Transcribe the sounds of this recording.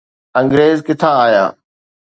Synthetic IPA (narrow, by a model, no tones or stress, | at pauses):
ə̃ŋɡɾeːzkɪt̪ʰaːaːja̰ː